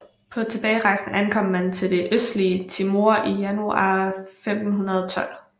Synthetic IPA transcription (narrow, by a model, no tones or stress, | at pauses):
pʰɒ̽t͡sʰe̝b̥ɛːɪʁɑ̈ɪsn̩ʔænkʰɒ̽m̰mænt͡sʰe̝ld̥e̝ʔøsd̥liət͡sʰimo̝ɐ̰ʔijænuɑ̰femd̥n̩ɦunɐð̞ˠɒt͡sʰɒ̽l̰